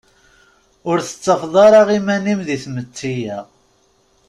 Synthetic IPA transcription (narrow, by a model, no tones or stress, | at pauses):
ʊɾθə̥t͡sːɑfðˤɑɾˤɑʁimænimðiθmət͡sːijæ